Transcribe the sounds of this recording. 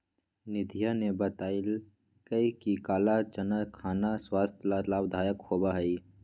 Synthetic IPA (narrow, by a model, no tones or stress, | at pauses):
nɪd̪ʱijanebət̪aːɪl | kəikikaːlat͡ʃənəkʰaːnaswaːst̪ʰlalaːbd̪ʱaːjəkhoːbaɦəi